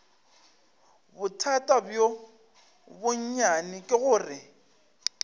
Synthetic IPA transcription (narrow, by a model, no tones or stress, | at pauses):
bʊtʰatʼabjo | bʊɲ̩ɲanɪkʼɪɣʊːrɪ